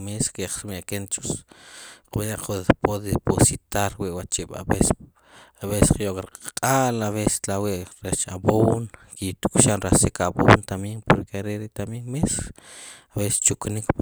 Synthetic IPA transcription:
meskaχsmekent͡ʃu̥s | qbanaqʰoðpoðeposit̪aɾwiʔwat͡ʃiʔɓa̰bes | aβessqjoʔkɾqʼaqʼalaβese̥laweʔɾet͡ʃa̰bonkit̪u̥kʃanɾasikabont̪amiŋpoɾkeaɾeɾeʔt̪amjeŋmes | aβese̥t͡ʃuknikp

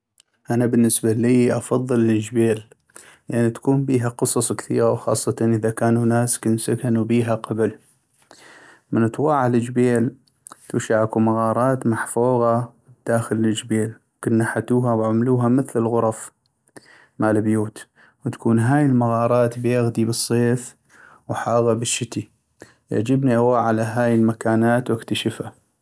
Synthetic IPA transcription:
ʔanabɪnːɪsbaliːʔɑfɑðˤːɨld͡ʒbeːl | lʔanːit̪ḁkuːmbiːɦaqɨsˤɑsˤkθḭːɣawxɑ̰ːsˤːɑt̪ɑnʔɪðakaːnunaːskɪnsakanubiːɦaqɑbl | mɪnɨt̪ˤwɑːʕalɪd͡ʒbeːl | t̪ṵːʃaʕakumaɣɑːɾˤɑːt̪maħfuːɣɑwd̪̥aːxɪlɪd͡ʒbeːlwkɪnːaħat̪uːɦawʕamluːɦamɪθlɪlɣʊɾˤɑf | maːlɪbjuːt̪ | wt̪ḁkuːnɦaːjɪlmaɣɑːɾˤɑːt̪bjaɣd̪ibɨsˤːeːf | wħaːɣɑbɪʃːɪt̪i | jɪ̰ʕd͡ʒɪbniʔawaːʕalaɦaːjɪlmakaːnaːt̪wɪkt̪aʃɪfa

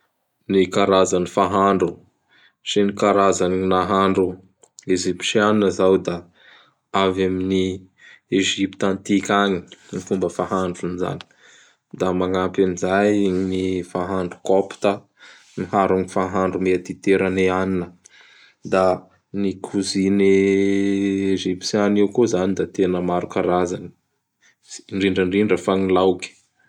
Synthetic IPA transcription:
nikaɾazanifaɦaɳɖ͡ʐu | sinikaɾazaninaɦaɳɖ͡ʐu | ezipʃianinəzawd̪a | avamini | eʒipit̪ant̪ikʲaɲinifumbəfaɦaɳɖ͡ʐuniza̰ni̥ | d̪amaŋapimizajnifaɦaɳɖ͡ʐu̥kɔpi̥t̪ə | niɦaɾuŋifaɦaɳɖ͡ʐumeat̪it̪eɾaneaninə | d̪a | nikʰuzine | ʒipt͡sanewkuzanid̪at̪enəmaɾukaɾazani̥ | ɳɖ͡ʐiɳɖ͡ʐəɳɖ͡ʐiɳɖ͡ʐəfaŋilawkʲi̥

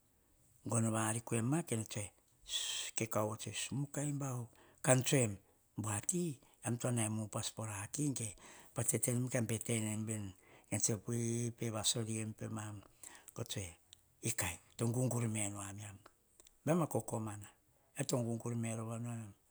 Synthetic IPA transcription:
ŋɡonoβaɾikue̞mːakenotue | kekawot͡ʃesumukajmbaw | kant͡ʃuem | buaki | amtuanaemupaspo̞ɾakiŋkepatetenemkeampetenembenkent͡ʃepuipeβasoɾiempemamɡ̥otue | ikajtoŋɡuŋɡuɾimenoamiam | bemakokomana | etoŋɡuŋɡuɾmeɾoβanuam

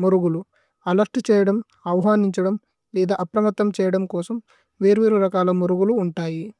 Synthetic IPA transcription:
muɾuɡulu | ɐlɐɾʈt͡ʃɛːjɐɽɐm | ɐʋɐɦaːniɲt͡ʃɐɽɐm | lɛːd̪aːʔɐpɾɐmɐt̪ːɐmt͡ʃɛːjɐɽɐmkɔːsɐm | ʋeːɾuʋeːɾuɾɐkaːlɐmuɾuɡuluːɳʈaːji

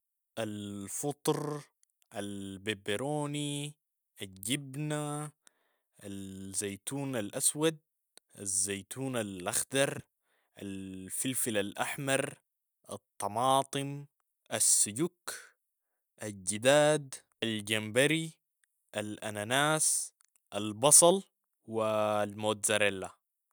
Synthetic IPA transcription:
ʔalfɨt̪ˤɾˤ | ʔalbebɪɾoːni | ʔald͡ʒibna | ʔazajt̪uːnalʔaswad̪̚ | ʔa̰zːaːt̪ʰuːnalʔaxd̪ɑɾˤ | ʔa̰lfɪlfilalʔaħmɑɾˤ | ʔɑt̪ˤːɑmɑːt̪ˤɨm | ʔasːʊɟuk | ʔad͡ʒid̪aːd̪ | ʔald͡ʒambaɾi | ʔalʔananaːs | ʔalbɑsˤɑl | wilmoːt̪zaɾalːa

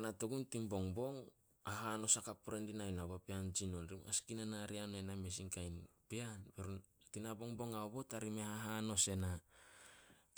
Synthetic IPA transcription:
natuɡuntimbo̞ŋbo̞ŋ | aɦano̞sakapuɾendinajnaβapeand͡ʒino̞nɾima̰skinanaɾianename̞s̬iŋkajnpeanpeɾuntinabo̞ŋbo̞ŋaobo̞taɾimehaɦano̞se̞na

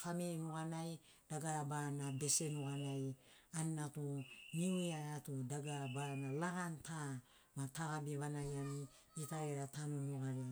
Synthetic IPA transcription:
faminukanaj | d̥aɡaɾabanabe̞se̞nuɡanaj | anːatuniueaɾatudaɡaɾabanalaɡantʰa | mataɡabiβanajani | itaeɾatanonuɡaɾe

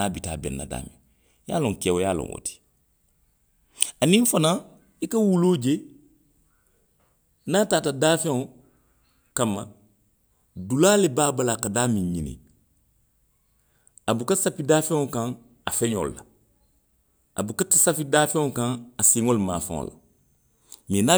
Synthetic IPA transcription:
naːbita̰ːbɛ̰̃nːa̰da̰ːmḭ̃ | ja̰ːlõŋkɛwojaːlɔ̰̃ŋwo̰ti̥ | anĩɱfana | ikawuloːd͡ʒe | naːtaːtadaːfɛ̃ŋɔ | kãmːa̰ | dulaːlebaːbalakadaːmĩɲḭnḭ̃ | abukasapidaːfɛ̃ŋɔkãŋ | afɛ̃ɲo̰lṵla | a̰bukatasafidaːfɛ̃ŋɔkãŋasiŋoluma̰ːfã̰ŋɔ̰la̰ | mĩna

